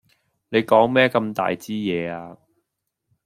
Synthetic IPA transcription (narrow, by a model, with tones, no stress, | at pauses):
ne˨˧jkɔː˨˥ŋmɛː˥kɐ˧mt̪a̰ː˨jt͡siː˥jɛː˨˧aː˧